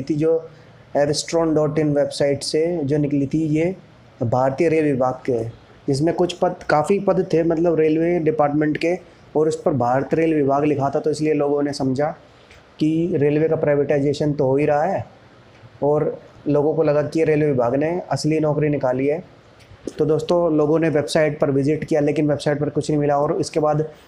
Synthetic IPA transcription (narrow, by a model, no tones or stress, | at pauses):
it̪ʰid͡ʒoː | eːɾsʈɾɔːɳɖɔːɾʈɪ̃nʋeːbsaːɪʈsed͡ʒoːnɪklit̪ʰije | bʱaːɾt̪ijəɾeːlʋɪbʱaːɡke | d͡ʒɪs̬mẽkʊt͡ʃʰpɐd̪kaːfipɐd̪t̪ʰːemɐt̪ləbɾeːlʋeɖɪpaːɾʈmẽɳʈke | ɔːɾʊspɐɾbʱaːɾt̪ɾeːlʋɪbʱaːɡlɪkʰat̪ʰat̪oɪslieloːɡõnesɐmd͡ʒʱa | kiɾeːlʋekapɾaːɪʋeːʈaɪzeːʃənt̪oɦoːiɾɐɦaɦɛː | ɔːɾloːɡõkolɐɡakijeɾeːlʋɪbʱaːɡneɐslinɔːkɾinɪkaːliɦɛː | t̪od̪oːst̪õloːɡõneʋebsaːɪʈ̚pɐɾʋɪzɪʈkijaleːkɪnʋebsaːɪʈ̚pɐɾkʊt͡ʃʰnɐɦĩmɪlaɔːɾʊskebaːd̪